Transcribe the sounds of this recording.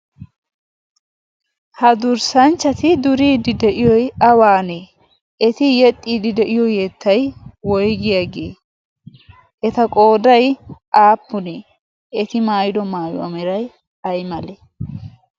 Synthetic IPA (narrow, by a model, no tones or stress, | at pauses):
hɐd̪ʊɾsɐnt͡ʃːɐt̪ɪd̪ʊɾiːd̪ɪd̪ɛʔɪjɔjɐwaːne | ɛt̪ɪjɛt̪ʼːiːd̪ɪd̪ɛʔɪjɔjɛt̪ʰːɐjwɔjɡɪjaɡḛː | ʔɛt̪ɐkʼo̞ːd̪ɐjʔaːpːʊne | ʔɛt̪ɪmaːjɪd̪ɔmaːjɔɐ̰mɛɾɐj | ɐjmɐlɛ